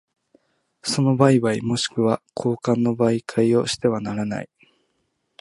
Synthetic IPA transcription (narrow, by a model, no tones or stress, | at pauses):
so̞no̞baiβaimo̞ɕi̥kɯ̟βakʰo̞ːkãnːo̞baikʰaio̞ɕi̥t̪e̞βanaɾana̰i